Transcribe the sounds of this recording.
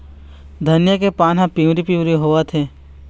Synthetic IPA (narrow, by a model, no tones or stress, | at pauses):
d̪ʱɐnjəkepaːnɦãpĩwɾipĩwɾiɦoːat̪ʰeː